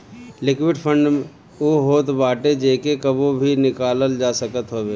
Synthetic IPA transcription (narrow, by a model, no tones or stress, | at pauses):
lɪkwɪɖpʰə̃ɳɖm | oɦoːt̪baːʈed͡ʒeːkekəbobʱinɪkaːləld͡ʒaːsəkət̪ɦoːbeː